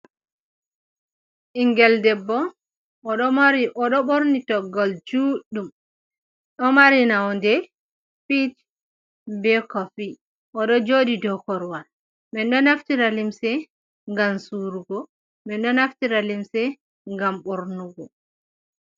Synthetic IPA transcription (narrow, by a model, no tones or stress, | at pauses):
ʔiŋɡɛldɛbːɔː | ɗɔmaɾiʔɔɗɔɓoɾnitɔɡɔld͡ʒuɗum | ɗɔmaɾinawɔndɛ | pit | bɛkɔfi | ʔɔɗɔd͡ʒodidɔkɔɾwal | mɛnɗɔnaftiɾalimsɛ | ŋɡamsuɾuɡɔ | mɛnɗɔnaftiɾalimsɛ | ŋɡamɓoɾnuɡɔ